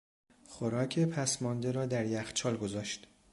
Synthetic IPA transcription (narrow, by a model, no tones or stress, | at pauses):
xoɾɒːcʰepʰæsmɒnd̪eɾɒːd̪æɾjæxt͡ʃʰɒːlɡo̞zɒːʃt̪